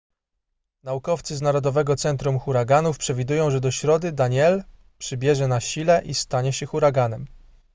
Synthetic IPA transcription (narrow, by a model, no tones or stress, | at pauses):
naukɔft̪sɘznaɾɔd̪ɔvɛɡɔt̪sɛnt̪ɾumxuɾaɡanufpʂɛvʲid̪ujɔ̃w̃ʐɛd̪ɔɕɾɔd̪ɘd̪aɲɛl | pʂɘbʲjɛʐɛnaɕilɛʔist̪aɲɛɕɛxuɾaɡanɛm